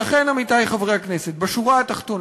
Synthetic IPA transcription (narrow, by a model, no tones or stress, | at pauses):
aχe̞namit̪ajχavʁeakneset̪̚baʃuʁaːt̪aχt̪on